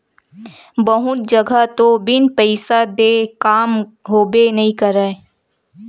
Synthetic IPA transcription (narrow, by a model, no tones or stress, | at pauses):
bɐɦʊt̪̚d͡ʒəɡat̪obɪnpəɪsad̪eːkaːmɦoːbenɐɦĩkɐɾəe